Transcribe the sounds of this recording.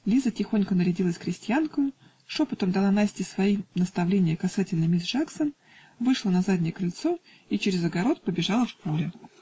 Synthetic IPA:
lʲizətʲɪxo̞nʲkənəɾʲɪdʲilˠəsʲkɾʲɪsʲtʲjankʊjʊ | ʂopɐt̪əmd̪ɐlˠanasʲtʲɪsvɐinəst̪ɐvlʲenʲɪjəkɐsatʲɪlʲnəmʲiʐaksən | vɨʂlˠənɐzadʲnʲɪjəkɾɪlʲt̪so̞ | it͡ɕɪɾʲɪzəɡɐɾo̞t̪̚pəbʲɪʐalˠəfpulʲɪ

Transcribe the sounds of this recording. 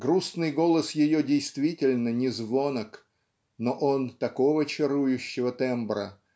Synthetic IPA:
ɡɾusnɨjɡo̞lˠəsjɪjodʲɪjst̪vʲitʲɪlʲnənʲɪzvo̞nək | noʔo̞nt̪ɐko̞vət͡ɕɪɾujʉɕːɪvət̪ɛmbɾə̰

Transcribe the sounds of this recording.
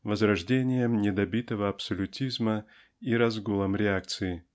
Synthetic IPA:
vəzɾɐʐdʲenʲɪjəmnʲɪd̪ɐbʲit̪əvəɐpsolʲʊtʲizmə | iɾɐzɡulˠəmɾʲɪak̚t̪sɨɪ

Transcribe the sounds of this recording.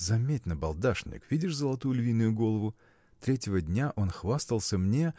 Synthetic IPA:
zɐmʲetʲnəbɐlˠd̪aʂnʲɪ̰kvʲidʲɪʂzəlˠɐt̪ujʊlʲvʲinːʊjʊɡo̞lˠəvʊ | t̪ɾʲetʲɪvədʲnʲaʔo̞nxvast̪əlˠsʲəmnʲe̞

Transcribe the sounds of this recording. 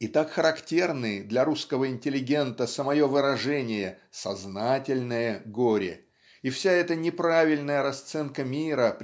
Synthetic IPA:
ɪt̪akxəɾɐktʲe̞rnɨd̪lʲɐɾuskəvəɪnʲtʲɪlʲɪɡʲe̞nt̪əsəmɐjo̞vɨɾɐʐɛnʲɪjə | sɐznatʲɪlʲnəjəɡoɾʲɪ̰ | ɪfsʲaɛt̪ənʲɪpɾavʲɪlʲnəjəɾɐst̪sɛnkəmʲiɾəp

